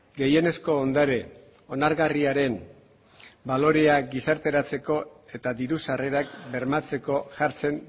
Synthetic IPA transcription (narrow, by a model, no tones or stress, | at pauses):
ɡe̞je̞ne̞sko̞ːnd̪aɾe̞ | o̞naɾɣariaɾe̞m | balo̞ɾe̞aɡisaɾt̪e̞ɾat͡se̞ko̞e̞t̪aðiɾusare̞ɾakbe̞ɾmat͡se̞ko̞ʝaɾt͡se̞n